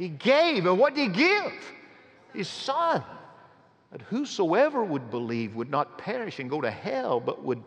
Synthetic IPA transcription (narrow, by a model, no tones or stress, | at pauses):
hiɡeɪvɨ̃nwʌt̚d̥ɨiɡɪv̥ | ɨz̥sʌ̃n | ðʌt̚husoʊɛvə˞wəd̚bəlivwədⁿnət̚pʰɛɹɨʃɨ̃nɡoʊɾɨhɛlˠbʌ̰ʔ̚wəd̚